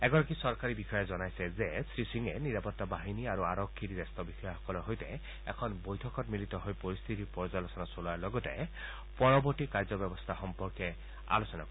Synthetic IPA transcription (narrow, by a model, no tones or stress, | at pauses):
ɛɡɔɾakisɔɹkaɹibixɔjɔzɔnajsɛzɛsɹisiŋɛniɹapɔtːabaɦiniaɹuaɹɔkʰːiɾidɛst̪ɔbixɔjɔxɔ̥kɔlɔɦojtɛ | ɛ̰kʰɔnbojtʰɔkɔtmilitɔɦojpɔɹist̪ʰit̪ipɔɹzalɔsɔnasoluaɹlɔɡɔtɛ | pɔɹɔbɔɹtikaɹzɔbjɛbɔst̪ʰaxɔmpɔɹkɛ | a̰losɔna̰kɔ